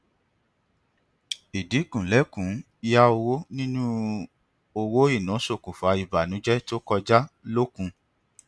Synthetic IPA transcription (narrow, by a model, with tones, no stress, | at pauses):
i˨di˨˦kũ˨lɛ˨˦kũ˨˦ | i˧ja˦o˧wo˦nĩ˦nũ˦ | o˧wo˦i˦˨nã˨˦so˦˨kũ˨fa˨˧i˨ba˨nũ˨˦d͡ʒɛ˦to˦kɔ˧d͡ʒa˦lo˦kũ˧